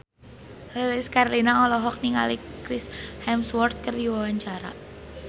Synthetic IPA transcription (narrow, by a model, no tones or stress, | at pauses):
lelɪskarlinaɔlɔɦɔk̚niŋa̰likɾɪshɛmswɔrt̪̚kərdiwawaɲt͡ʃaɾa̰